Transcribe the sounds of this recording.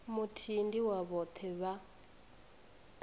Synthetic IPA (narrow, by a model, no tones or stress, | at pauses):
mutʰindiwaβɔt̪ʰɛβa